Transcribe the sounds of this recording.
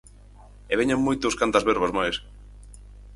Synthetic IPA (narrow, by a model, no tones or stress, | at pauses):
eβeɲaŋmojt̪oskant̪ɐzβɛɾβazmajs